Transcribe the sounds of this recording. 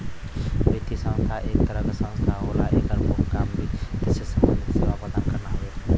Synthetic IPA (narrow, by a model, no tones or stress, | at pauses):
beːt̪isə̃ŋst̪ʰaʔeːk̚t̪əɾəɡsə̃nst̪ʰaɦoːla̰ʔeːkəɾbokkaːmbʱit̪ɪsʰəsəmə̰nd̪ʱiseːʋapəd̪ankɐɾnaɦoe